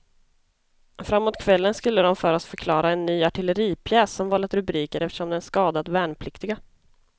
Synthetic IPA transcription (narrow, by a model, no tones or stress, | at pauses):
fɾamːoːt̪̚kʰvɛlːənskɵlːəd̪ɔmfœːɾɔsfœɾkʰlɑːɾaɛnːyːaʈʰɪləɾiːpʰjɛːsːɔmvɑːlət̪ɾɵbɾiːkəɾʔɛft̪ə̥ʂɔmd̪ɛnskɑːd̪at̪væːɳpʰlɪkt̪ɪɡa